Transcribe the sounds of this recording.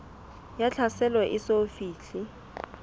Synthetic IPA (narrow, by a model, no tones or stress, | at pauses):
jat͡ɬʰasɛlwɛʔɪsofiːɬɪ